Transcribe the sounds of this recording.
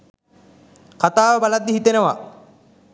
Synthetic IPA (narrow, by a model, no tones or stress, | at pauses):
kat̪aːʋəbalad̪ːiɦit̪enəʋa̰